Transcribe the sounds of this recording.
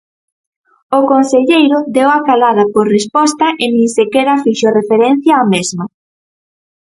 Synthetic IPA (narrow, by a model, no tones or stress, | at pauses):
okonseʎejɾʊd̪ewakalað̞ɐpoɾrespɔst̪ɐʔemĩŋsekɛɾɐfiʃorefeɾɛn̟θjaːmezmɐ